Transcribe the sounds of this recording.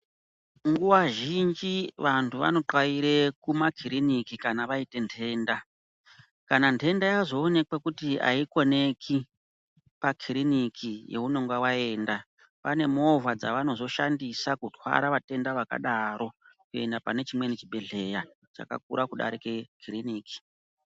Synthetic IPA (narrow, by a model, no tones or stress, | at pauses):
ŋɡuwaʒind͡ʒiʋantʰuʋa̰no̞ǃwaiɾe̞kumakʰiɾinikikanaʋaite̞ntʰe̞ːnda | kanantʰe̞ndajazo̞ːne̞kwekutia̰iko̞ne̞kʰi | pakʰirinikʰije̞̰uno̞ŋɡawae̞ːnda | pane̞mo̞vʱad͡zaʋano̞zo̞ʃandisakutʰwa̰ɾaʋate̞ndaʋaka̰ɗaɾʔo̞ | kue̞ndapane̞t͡ʃimwe̞net͡ʃiɓe̞ɮe̞ja | t͡ʃa̰ka̰k̚ṵɾʔakuɗa̰ɾikekʰiriniːki̥